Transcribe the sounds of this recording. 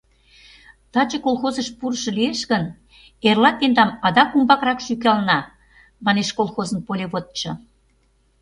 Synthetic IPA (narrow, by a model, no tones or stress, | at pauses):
t̪ɑt͡ɕekolˠxozəʃpuɾʃɤ̆lieʃɣən | erlɑt̪end̪ɑmɑd̪ɑkumbɑkrɑkʃyk̬ɑlnɑ | mɑneʃkolˠxozə̆npolʲeβot̪̚t͡ɕɤ̆